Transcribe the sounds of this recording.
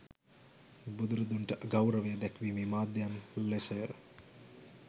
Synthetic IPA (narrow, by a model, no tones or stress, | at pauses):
bud̪uɾəd̪uɳʈəʔɡawɾəʋəjəd̪ækʋiːmiːmaːd̪jamlesəjə